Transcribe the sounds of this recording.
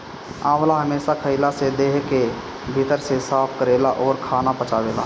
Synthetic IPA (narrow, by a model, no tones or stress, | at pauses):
ãːwlaɦəmeːʃakʰəɪlased̪eːɦke | bʱɪt̪əɾsesaːpʰkəɾeːlaʔɔːɾkʰaːnapət͡ʃaːʋeːla̰ː